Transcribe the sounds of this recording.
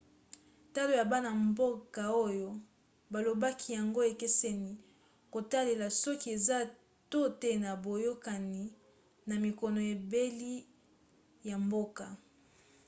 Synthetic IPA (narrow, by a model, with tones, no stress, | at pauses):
ta˦lo˨ja˨ba˦na˨mbo˦ka˨o˦jo˦ | ba˨lo˨ba˦kʰi˦ja˨ŋɡo˦e˨ke˦sɛ˦ni˨ | ko˨ta˦le˨la˨sɔ˦ki˦e˨za˦ | to˦te˦na˨bo˨jo˦ka˨ni˨ | na˨mi˨kɔ˨nɔ˨e˨be˦li˦ | ja˨mbo˦ka˨